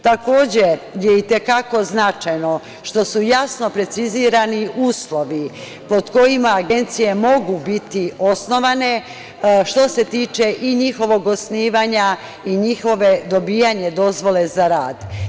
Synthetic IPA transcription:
t̪ako̞ːd͡ʑejeit̪ekako̞znat͡ʃajno̞ | ʃt̪o̞sujasno̞pɾe̞t̪siziɾaniʔuːslˠo̞ʋi | po̞d̪ko̞jimaːɡe̞nt̪sije̞mo̞ɡubit̪io̞sno̞ʋane̞ | ʃt̪o̞se̞t̪iːt͡ʃe̞ʔiɲixo̞ʋo̞ɡo̞sniːʋaɲa | iɲixo̞ʋe̞d̪o̞biːjaɲe̞d̪o̞zʋo̞le̞zaɾaːd̪

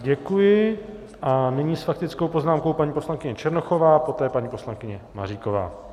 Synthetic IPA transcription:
ɟɛkujɪ | ʔanɪɲiːsfak̚t̪ɪt͡skowpo̞znaːmko̞wpaɲiːpo̞slaŋkɪɲɛt͡ʃɛɾnoxo̞vaːpo̞t̪ɛːpaɲiːpo̞slaŋkɪɲɛma̰riːko̞va̰ː

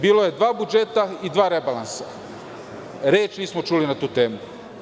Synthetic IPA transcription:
biːloje̞d̪ʋaːbud͡ʒet̪aid̪ʋaːɾebalˠansa | ɾeːt͡ʃniːsmot͡ʃuːlinat̪uːt̪e̞ːmu

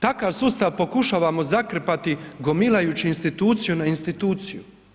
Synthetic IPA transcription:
t̪akaʋsust̪aʋpo̞kuʃaːʋamo̞zakr̩pat̪iɡo̞milajuːt͡ɕiːnst̪it̪uːt̪sijunainst̪it̪uːt̪siju

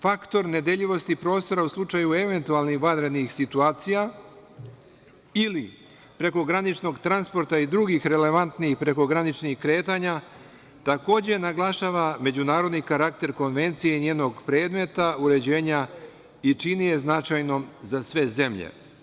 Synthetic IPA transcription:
fakt̪o̞ɾne̞d̪eʎiʋo̞st̪ipɾo̞ːst̪o̞ɾauslˠut͡ʃajue̞ʋe̞nt̪ualnixʋad̪ɾe̞d̪nixsit̪uaːt̪sija | ili | pɾe̞ko̞ɡɾanit͡ʃno̞ɡt̪ɾanspo̞ɾt̪aid̪ɾuɡixɾe̞le̞ʋant̪nixpɾe̞ko̞ɡɾanit͡ʃnixkɾe̞ːt̪aːɲa | t̪ako̞ːd͡ʑe̞naɡlˠaʃaːʋame̞d͡ʑunaːɾo̞d̪nikaɾak̚t̪e̞ɾko̞nʋe̞nt̪sijeneːno̞ɡpɾe̞ːd̪me̞t̪auɾe̞d͡ʑe̞ːɲa | it͡ʃinije̞znat͡ʃajno̞mzasʋe̞ze̞mʎḛ

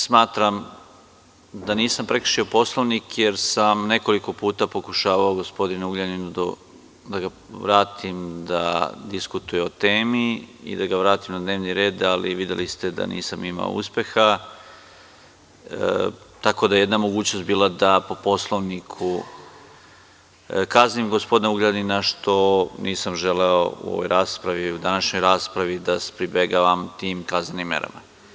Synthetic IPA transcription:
smaːt̪ɾam | d̪aniːsampɾe̞kɾ̩̥ʃio̞po̞slˠo̞ʋnikje̞ɾsamne̞ko̞liko̞puːt̪apo̞kuʃaːʋaoɡo̞spo̞d̪inuɡʎaninud̪o̰ | d̪aɡa | ʋɾaːt̪ʰimd̪a̰d̪iskut̪ujeot̪e̞ːmiḭd̪aɡaʋɾaːt̪imnad̪neːʋniɾe̞ːd̪alḭʋid̪jḛlist̪ed̪a̰nḭːsamima̰o̰ṵspe̞xa | t̪ako̞d̪ajejed̪namoɡuːt͡ɕnost̪biːlˠad̪apo̞po̞slˠoʋnikʰu | kaznimɡospo̞d̪inauɡled̪ninaʃt̪o̞niːsamʒeleouo̰vojɾʔaːspɾaʋiud̪anaʃɲo̞jɾaːspɾaʋid̪ase̥pɾibeɡaʋamt̪iːmkaznenimːḛɾa̰ma

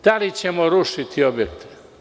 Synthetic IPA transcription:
t̪aɾit͡ʃʰemɔɾoʃit̪ʰiɔbjek̚t̪i̥

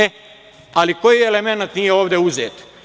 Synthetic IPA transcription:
e | aliko̞jiele̞me̞nat̪nijeoːʋd̪e̞uzeːt̪

